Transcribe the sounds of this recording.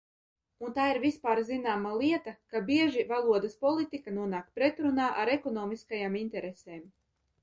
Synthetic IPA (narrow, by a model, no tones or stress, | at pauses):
unt̪aːiɾvispaːɾzinaːmalˠiɛt̪akabiɛʒivalˠuɔd̪ɐspɔlˠit̪ikanuɔnaːkpɾɛt̪ɾunaːʔaɾɛkɔnɔːmiskajaːmint̪ɛɾeseːm